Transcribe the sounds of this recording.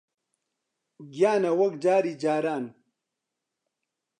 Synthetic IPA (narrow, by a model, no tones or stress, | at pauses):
ɡjaːnɐwɐɡd͡ʑaːɾid͡ʑaːɾaːn